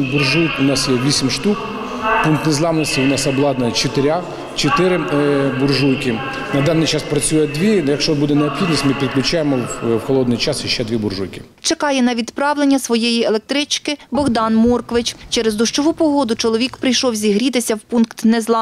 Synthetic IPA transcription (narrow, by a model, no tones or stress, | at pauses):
bʊrʒujkʊnɑsjɛʋʲisʲɪmʲʃt̪uk | punk̚t̪nezlˠɑmnɔsʲtʲiʊnɑsɐblˠɑd̪nɐt͡ʃet̪ɪɾʲa | t͡ʃet̪ɪɾɪbʊrʒujkʲɪ | nɐd̪ɑnːɪjt͡ʃɑspɾɐt͡sʲujɛd̪ʋʲijɐkʃt͡ʃɔbud̪ɛneɔpxʲid̪nisʲmɪpʲit̪̚klʲʊt͡ʃɑjemɔwxɔlˠɔd̪nɪjt͡ʃɑsiʃt͡ʃɛd̪ʋʲibʊrʒujkʲɪ̥ | t͡ʃekɑjɛnɐʋʲid̪pɾɑʋlenʲːɐsʋɔjejielˠek̚t̪ɾɪt͡ʃkɪbɔɣd̪ɑnmɔrkɔʋɪt͡ʃt͡ʃɛɾezd̪ɔʃt͡ʃɔʋupɔɦɔd̪ʊt͡ʃɔlˠɔʋʲikpɾɪjʃɔwzʲiɦɾʲit̪ɪsʲɐwpunkt̪nɛzlˠɑ